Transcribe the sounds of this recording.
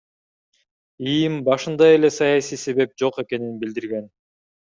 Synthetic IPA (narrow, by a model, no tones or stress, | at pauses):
ijimbɑʃɯnd̪ɑje̞le̞sɑjɑsijse̞βe̞p̚d͡ʒo̞qe̞ke̞ninbild̪iɾɡe̞n